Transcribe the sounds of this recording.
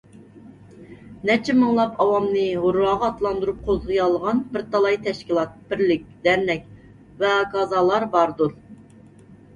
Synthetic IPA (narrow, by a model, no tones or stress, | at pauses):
nɛt͡ʃʰɪmɨŋlˠɑpɑwɑmnɨɦʊɾɑːʁɑːt̪lˠɑnd̪uɾup̚qʰozʁɨjɑlˠːəʁɑnbɪɾt̪ʰɑlˠɑjt̪ʰɛʃkʲilˠɑt̪̚b̥ɪɾlɪk̚ʲd̪̥æɾnɛk̚ʲ | vɛɡɑzɑlˠɑɾbɑɾd̪uɾ